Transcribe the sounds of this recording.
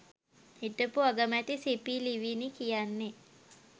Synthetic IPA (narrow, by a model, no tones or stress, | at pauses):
hiʈəpuaɡəmæt̪isipiliʋinikijanːe